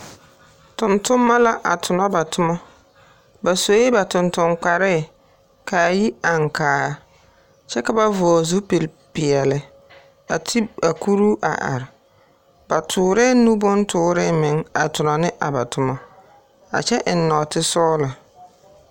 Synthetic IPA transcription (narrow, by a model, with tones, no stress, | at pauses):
tʊ˨ntʊ˦mːa˦la˦ʔa̰˨tʰʊ˨nɔ˦ba˨tʊ˦mɔ˦ | ba˨so˨˦e˦ba˨tʊ˨ntʊ˨ŋk͡pa˨ɾɛ˦˨ | ka˨ji˦a˨ŋkaː˨ | t͡ʃɛ˦ka˨ba˦vɔː˨zu˦pe˨l | pɪ˨ɛ˨lɪ˨ | a˨tʰi˦a˨ku˦ɾu˦ʔa̰˨ʔa̰˨ɾɪ˨ | ba˨tʰʊː˨ɾɛ˦nu˦bʊ˦ntʰʊː˦ɾɪ˦mɪ˨ŋa˨tʊ˨nɔ˨nɪ˦ʔa˨ba˨tʰʊ˨ma˦ | a̰˨t͡ʃɛ˦ʔɪ˨nːɔ˨tɪ˦sɔː˦la˨